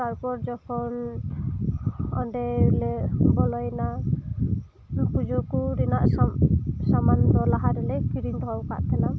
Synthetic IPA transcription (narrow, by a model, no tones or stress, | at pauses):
t̪aɾpɔɾd͡ʒɔkʰɔn | ɔ̰ɳɖɛlebɔlɔjna | kud͡ʒɔkuɾinaʔ | samand̪ɔlaɦaɾɛlekiɾint̪ɔɦɔwka̰ʔt̪ʰɛnam